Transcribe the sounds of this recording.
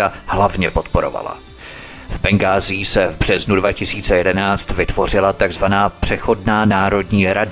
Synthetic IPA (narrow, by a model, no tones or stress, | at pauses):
ahlavɲɛpo̞t̪po̞ɾo̞̰va̰la̰ | vbɛŋɡaːzɪːsɛvbr̝̥ɛznudvacɪsiːt͡sɛjɛdɛnaːt͡st̪vɪt̪vo̞r̝ɪlat̪aɡzvanaːpr̝̥ɛxo̞dnaːnaːɾo̞dɲiːɾad